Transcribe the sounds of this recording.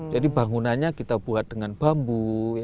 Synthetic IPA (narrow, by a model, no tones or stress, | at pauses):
d͡ʒadibaŋunanɲakit̪abuɦat̪̚dəŋanb̥ambu